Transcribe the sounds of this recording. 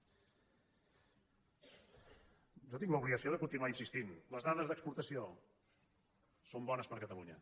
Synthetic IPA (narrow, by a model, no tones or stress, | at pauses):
ʒot̪iŋləuβliɣəsioðəkunt̪inuwainsist̪inləzðaðəzðəkspuɾt̪əsio | sombɔnəspəɾkət̪əluɲə